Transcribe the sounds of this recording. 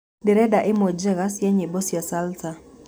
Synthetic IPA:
dɪɾɛdaʔɪmɔd͡ʒɛɣasjaɲebɔsjasalsa

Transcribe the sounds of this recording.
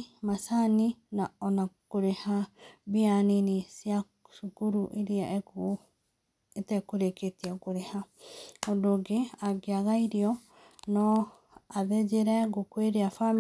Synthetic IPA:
masaninaɔnakoɾehabianinisia | ʃukuɾuʔiɾiae | etɛkuɾeketiakuɾehaodoɡeaɡeaɣaiɾiɔ | nɔ | aðed͡ʒeɾɛɡokweɾeafam

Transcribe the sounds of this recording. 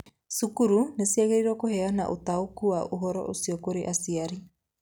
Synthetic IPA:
sukuɾunesiaɣeɾiɾwɔkohɛana̰ʔotaokuwaʔoɦɔɾɔ̰ʔosiɔkoɾeʔasiaɾi

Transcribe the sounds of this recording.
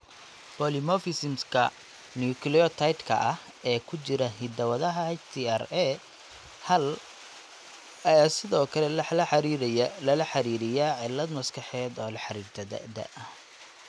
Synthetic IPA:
pɔlimɔfɪsɪmskʰɐ | niukʰliɔt̪ʰɐjt̪kʰɐ̰ʔɐh | ɛːkʰʊt͡ʃɪɾɐɦid̪ɐwɐðɐɦɐɛt͡ʃt̪ʰiɛrɛ | hɐl | ɐjaːsɪðɔːkʰɐlɛlɐħlɐħɑɾilɐlɐħɑɾiːɾɪjaːʕɪlːɐd̪mɐskʰɐħɛːd̪ɔːlɑħɑɾiːɾt̪ʰɐd̪ɐ̰d̪ɐ̰ʔɐ

